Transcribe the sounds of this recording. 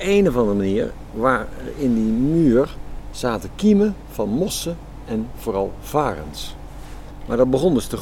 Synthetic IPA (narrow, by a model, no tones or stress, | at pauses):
ejnəvɑndərmaniːɹ | ʋaːrɪndimyːrz̥aːtəkimə | v̥ɑnmɔsə | ɛnv̥oːɾɑlˠv̥aːrə̰ns | ma̰ːɹdɑd̚bəχɔndɵstə